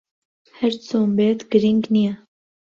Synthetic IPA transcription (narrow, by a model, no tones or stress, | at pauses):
hɛɾt͡sʰoːmbeːt̪ɡ̥əɾiŋɡnija